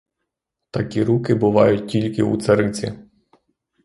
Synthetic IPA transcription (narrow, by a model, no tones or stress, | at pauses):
t̪ɐkʲiɾukɪbʊʋɑjʊt̚ʲtʲilʲkɪṵt̪sɐɾɪt͡sʲḭ